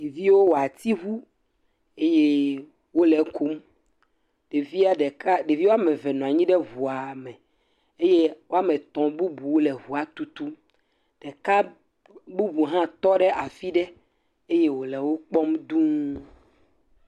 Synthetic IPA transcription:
ɖe˨vi˦wo˦wo˨a˨t̪i˦ɦu˦ | e˦je˦ | wo˦lɛ˨kʰo˦m | ɖ̥e˨vi˦a˦ɖɛ˨ka˦ɖe˨vi˦wo˦a˦mɛ̃˨vɛ˨nɔ̃˨a˨ɲĩ˦ɖɛ˦vu˨a˨mɛ˨ | e˦je˦wo˦a˦mɛ̃˨t̪ɔ̃˨bu˦bu˨wo˦lɛ˨ɦu˨a˨t̪u˦t̪u˦ | ɖ̥ɛ˨ka˦ | bu˦bu˨ɦã˦t̪ɔ˦ɖɛ˦ʔa˨fi˦ɖɛ˦ | e˦je˦wo˨lɛ˨wo˦k͡pɔ˦md̪ũ˦

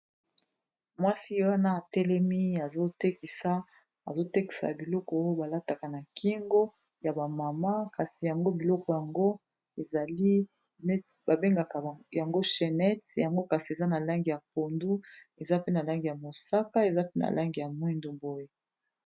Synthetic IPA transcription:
mwa˦si˦wa˦na˦a˨tɛ˦lɛ˦mi˦a˨zo˦te˦ki˨sa˦ | a˨zo˦te˦ki˨sa̰˨a˨bi˨lɔ˦kɔ˨o˦jo˦ba˨la˦ta˨ka˨na˨kʰi˦ŋɡo˦ | ja˨ba˨ma˨ma˦ka˨si˨ja˨ŋɡo˦bi˨lɔ˦kɔ˨ja˨ŋɡo˦ | e˨za˨li˦ | ba˨be˦ŋɡa˨ka˨ja˨ŋɡo˦ʃɛ˨nɛ˦tja˨ŋɡo˦ka˨si˨e˨za˦na˨la˦ŋɡi˨ja˨po˨ndu˦ | e˨za˦pe˦na˨la˦ŋɡi˨ja˨mo˨sa˦ka˦e˨za˦pe˦na̰˨lʔa˦ŋɡi˨ja˨mwi˦ndu˨bo˨je˦

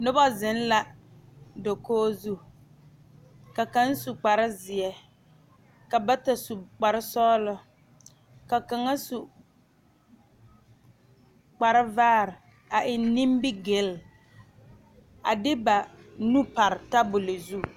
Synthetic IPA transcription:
nʊ˦ba˦zɪ˨˦n˦la˦ | do˨koː˦zu˦ | ka˨ka˦n˦su˨k͡pa˨ɾɪ˦zɪ˨ɛ˦ | ka˨ba˦ta˨su˨k͡pa˨ɾɪ˦sɔː˦lʊ˦ | ka˨ka˨ŋa˦su˨ | k͡pa˨ɾɪ˦vaː˦˨ɾɪ˨ | a˨ʔɪ˨n˦nĩ˦mbɪ˦ɡe˨˦l | a̰˨dɪ˦ba˨nũ˦pa˨ɾɪ˨ta˦bʊ˨lɪ˨zu˦˨

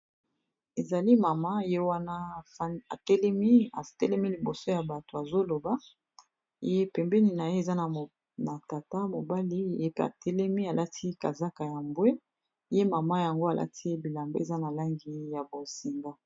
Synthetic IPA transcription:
e˨za˨li˦ma˨ma˦˨je˦wa˦na˦˨fa̰˨tɛ˦lɛ˦mi˦a˨tɛ˦lɛ˦mi˦li˨bo˨so˦ja˨ba˨to˨a˨zo˦lo˨ba˦˨˦ | e˦pɛ˨mbɛ˦ni˨na˨je˦e˨za˦na˨ | na˨ta˨ta˦mo˨ba˦li˦˨˦pe˦a̰˨tɛ˦lɛ˦mi˦a˨la˦tʰi˦ka˨za˦ka˨ja˨mbwe˦ | je˦ma˨ma˦ja˨ŋɡo˦a˨lʔa̰˦tʰi˦bi˨la˨mbe˦e˨za˦na˨la˦ŋɡi˦ja˨bo˨zi˨ŋɡa˦

